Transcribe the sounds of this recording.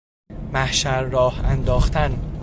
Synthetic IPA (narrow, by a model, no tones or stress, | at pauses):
mæhʃæɾːɒːhænd̪ɒːxt̪æn